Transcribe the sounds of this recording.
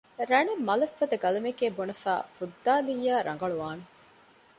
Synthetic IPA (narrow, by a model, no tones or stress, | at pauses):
ɾɐnemːɐlɐfːɐd̪ɐɡɐlɐmekeːbonɐfa̰ːfud̪ːaːlijːaːɾʔɐ̰ŋ̆ɡɐɭuʋaːne